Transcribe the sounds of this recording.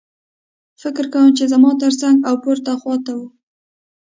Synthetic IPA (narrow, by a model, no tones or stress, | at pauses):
fɪkɾkawəmt͡ʃezamɑt̪əɾsaŋɡawpoɾt̪axwɑt̪awu